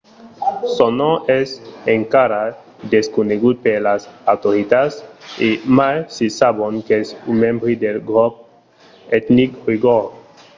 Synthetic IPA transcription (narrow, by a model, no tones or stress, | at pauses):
sonoʔɛseŋkaɾa | d̪eskuneɡud̪̚peɾlasawt̪oɾit̪asimajsisabonkeesumẽmbɾid̪elɡɾop̚ | et̪nikriɡoɾ